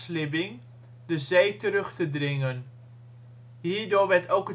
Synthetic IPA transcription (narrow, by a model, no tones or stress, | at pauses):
slɪbɪŋ | dəzejtəɾɵχtədrɪŋən | ɦiːɹdʊːɹʋɛɹtowkə